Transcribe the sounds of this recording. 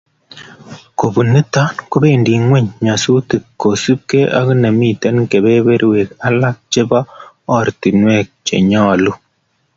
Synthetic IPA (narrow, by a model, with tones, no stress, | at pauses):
ko˨bu˨nɨ˦ta˦nku˦be˦˨ndi˨ŋwɛ˦ɲɲa˨su˦ti˨kkːo˨su˦p̚ke˦ʔa̰˦ki˦ne˨mi˦˨tɛ˦nke˨be˦be˦ɾwe˨ka˦la˦k̚t͡ʃe˦ba˦ | ɔ˦˨ɾti˨nwɛ˦˨k̚t͡ʃḛ˨ɲɔ˦˨lu˦